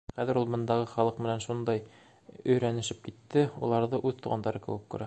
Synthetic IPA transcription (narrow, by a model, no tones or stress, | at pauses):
χæðɘ̆ɾulˠbɤ̆nd̪ɑʁɤχɒlˠɤqmɘ̆nænʃund̪ɑj | ɵ̆jɾænɘ̆ʃɘp̚kit̪ːɘulˠɑɾðɤʔʉðt̪uʁɑ̰nd̪ɑɾɤkɘ̆wɘkːʉ̰ɾæ